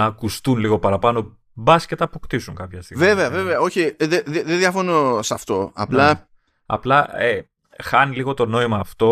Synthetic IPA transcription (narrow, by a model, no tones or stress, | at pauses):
ɐːkust̪unliɣo̞pɐɾɐpɐno̞ | bɐscet̪ɐːpokt̪isuŋkɐpçɐst̪ḭɣve̞ve̞ɐve̞ve̞ɐo̞çiðeðeðeðjɐfonosɐft̪o̞ɐ̰plɐ | ɐ̰plɐe | xɐniliɣo̞t̪o̞no̞imɐːft̪o̞